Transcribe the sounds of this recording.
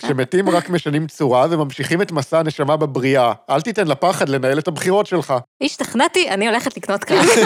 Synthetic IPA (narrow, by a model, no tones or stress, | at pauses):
kʃemetimʁakme̞ʃanimt͡suʁavemamʃiχime̞tmasaːne̞ʃamabebʁiaʔaltite̞nlapaχadle̞nae̞lethabχiʁo̞tʃe̞lχaiʃt̪aχnatiʔanio̞leχetliknotka